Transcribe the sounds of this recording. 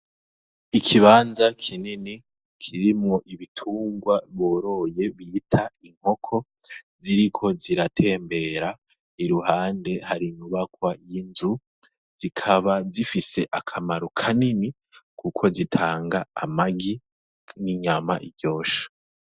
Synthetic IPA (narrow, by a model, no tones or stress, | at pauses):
ikʰiβaːnzakʰinini | kʰiɾimŋo̞ʔiβitʰuːŋɡwaβoːɾo̞je̞βitʰaiŋ̥ho̞kʰo̞ | ziɾikʰo̞ziɾatʰe̞ːmbe̞ɾa | iɾuhaːnde̞haɾiɲuβakwajinzu | z̥ikʰaβazifise̞ʔakʰamaɾukʰanini | kʰukʰo̞zitʰaːŋɡa̰ːmaɡi | niɲamaʔiɾɟo̞ːʃḁ